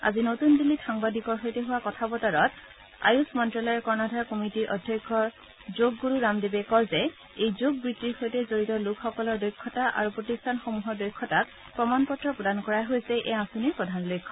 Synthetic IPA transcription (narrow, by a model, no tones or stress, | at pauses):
a̰zinotundilːitʰaŋbadʱikɔɹxojtɛɦʊwakɔtʰabɔtaɹɔt | a̰jusmɔntɹalɔjɔɹkɔɹnadʱaɹkɔmitiɹʔɔdʱjɔjkʰːɔɹ | zoɡːuɹuɹamdebɛkɔɹzɛ | ejzoɡ̚bɹitːiɹxojtɛzoɹitɔlukʰxɔkɔlɔɹdojkʰːɔtaʔa̰ɹupɹotistʰanxomuɦɔɹdojkʰːɔtat̚ | pɹɔmanpɔtɹɔpɹɔdankɔɹaɦojsɛʔɛasuniɹpɹɔdʱanɔlojkʰːɔ